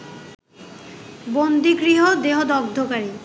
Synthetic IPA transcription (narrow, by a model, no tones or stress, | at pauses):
bond̪iɡɾiɦod̪eɦod̪ɔb̚d̪ʱokaɾi